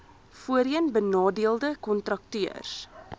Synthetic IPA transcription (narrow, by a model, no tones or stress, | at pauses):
fuəɾiənbənɑːdiəlˠdəkɔntrɐk̚tyərs